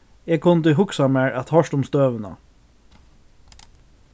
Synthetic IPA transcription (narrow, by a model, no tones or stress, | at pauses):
eːkʰʊnd̪ɪɦʊksɑmæɹʔæt̪hɑʃʈʊmst̪øːʋənə̰